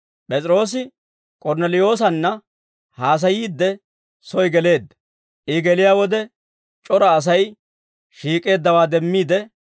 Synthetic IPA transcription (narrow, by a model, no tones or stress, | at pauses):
pʼɛt͡sʼɪɾo̞ːs̬ɪ | kʼɔɾnɛlɪjo̞ːs̬ɐnːɐ | haːs̬ɐjiːd̪ːɛ | sɔjɡɛle̞ːd̪ːɐ | ʔɪɡɛlɪjaːwɔd̪ɛ | t͡ʃʼɔɾɐːs̬ɐj | ʃiːkʼe̞ːd̪ːɐwaːd̪ɛmːiːd̪ɛ